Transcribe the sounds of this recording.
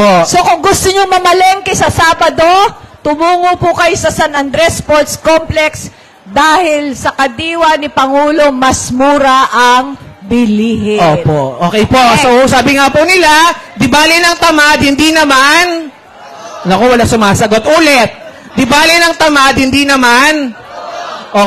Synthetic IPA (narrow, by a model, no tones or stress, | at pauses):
poso̞kʊŋɡʊst̪oɲoŋmɐmɐlɛŋkɐsɐsaːbɐd̪o̞t̪ʊmuːŋopʊkɐjosɐsɐnɐnd̪ɾɛspoɹt̪skomplɛks | d̪aːhɪlsɐkɐd̪iːwɐnɪpɐŋuːlo̞mɐsmuːɾɐʔɐŋ | bɪliːhɪoːpoʔʔoːkɛjpoʔsosaːbɪŋapʊnɪla | d̪ɪbaːlɪnɐŋt̪ɐmad̪̚hɪnd̪inɐman | nɐkowɐlasʊmaːsɐɡot̪ʔuːlɛt̪̚ | d̪ɪbaːlɪnɐŋt̪ɐmad̪̚hɪninɐman | ʔo